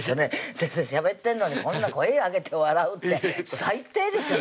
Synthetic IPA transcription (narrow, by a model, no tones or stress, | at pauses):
sjoneseseɕiabe̞t̪ːẽ̞nːoɲ̟ikõ̞nːako̞eaɡe̞t̪ʰe̞βaɾaɯ̟t̪ːe̞sait̪ːe̞ːd̪e̞sɨjo